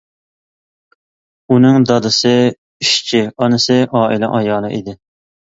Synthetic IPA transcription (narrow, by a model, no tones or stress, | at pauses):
unɪŋd̪ɑd̪ɨsɨ | iʃt͡ʃʰiɑnɨsɨʔɑːʔilɛ̰ʔɑjɑːlˠɨʔḭd̪ɪ